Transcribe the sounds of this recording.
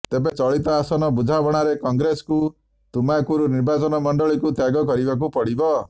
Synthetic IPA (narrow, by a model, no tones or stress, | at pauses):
t̪ebet͡ʃɔɭit̪ɔːsɔnɔbud͡ʒʱabɔɽ̃aɾekɔŋɡɾesɔ̥ku | t̪umakuɾuniɾbat͡ʃɔnɔmɔɳɖɔɭikut̪jaɡɔkɔɾibak̬upɔɽibɔ